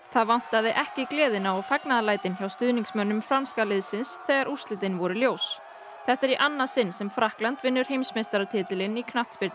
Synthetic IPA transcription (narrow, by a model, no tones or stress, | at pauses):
θaðvan̥t̪aðɪʔɛhcɪklɛːðɪnawɔfaknaðalaːjt̪ɪnçawst̪ʏðniŋksmœnːʏmfɾamskalɪðsɪnsθɛːɣaɾʔu̥st̪lɪt̪ɪnvɔɾʏljoːws | θɛht̪ɛɾiʔanːasɪnːsɛmfɾahklant̪vɪnːʏɾ̥ɦejmsmest̪aɾat̪ʰɪːt̪ɪlɪnikʰnaht̪spɪɾt̪ɪ